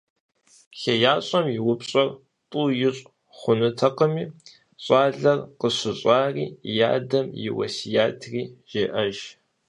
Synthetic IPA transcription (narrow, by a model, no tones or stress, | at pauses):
ɬɐjaːɕʼɐmjɪwʊpɕʼɐr | tʼuːjɪɕʼ | χʷʊnɨtʰɐqəmiː | ɕʼaːɮɐrqəɕɪɕʼaːrḭːja̰ːdɐmjɪ̰wɐ̰sijaːtʰriːʒ̥eːʔɐʒ